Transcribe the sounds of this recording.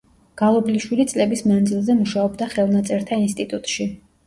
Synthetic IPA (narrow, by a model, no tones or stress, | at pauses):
ɡ̥alˠɔbliʃwilit̪sʼlɛbismand̪zilˠzɛmuʃaɔbd̪aχɛlˠnat̪sʼɛɾt̪ʰainst̪ʼit̪ʼut̪ʼʃi